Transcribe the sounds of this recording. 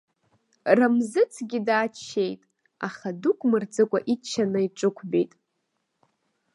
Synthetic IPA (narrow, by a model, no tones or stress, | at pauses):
ramzɨt͡sʰɡʲidaːt͡ʃʰːejtʼ | aχadukʷʼmɨrd͡zɨkʷʼaʔit͡ʃʰːanɨiʈ͡ʂʼɨkʷʰbejtʼ